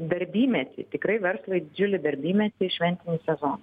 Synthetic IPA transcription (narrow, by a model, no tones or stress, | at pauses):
d̪ɐɾʲbʲiːmʲɛt̪ʲɪ̰t̪ʲɪkɾɐɪʋʲɛɾslˠɐɪd̪ʲɪd͡ʒʲʊlʲɪd̪ɐɾʲbʲiːmʲɛt̪ʲɪʃʲʋʲɛnʲt̪ʲɪnʲiːsʲɛzoːn